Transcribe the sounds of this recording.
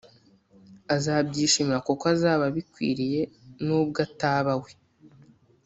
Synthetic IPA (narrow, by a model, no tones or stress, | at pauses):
azabɟiːʃimiɾako̞koazaːβaβikwḭːɾije̞nub̚ɡataːβawe